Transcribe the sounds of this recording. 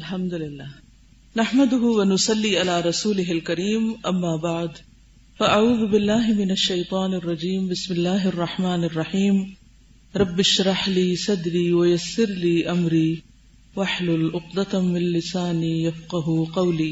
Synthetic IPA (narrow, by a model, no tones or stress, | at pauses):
ʔalħamd̪alɪlːaːh | naħmad̪ʊɦʊwanʊsˤɑlːiːʔalaːɾˤɑsuːlɪɦalkaɾiːmʔamːaːbaʕd̪ | faʔaʕuːðʊbɪlːaːɦɪmɪnaʃːɐjt̪ˤɑːnɑrˤːɑd͡ʒiːmbɪsmɪlːaːɦɪʔɑrˤːɑħmaːnɑrˤːɑħiːm | ɾˤɑbːɪʃɾˤɑħliːsɑd̪ɾiːwajasːɪɾliːʔamɾiː | waħlʊlʔʊqd̪at̪mɪnlɪsaːnijafqɑɦʊqɑwliː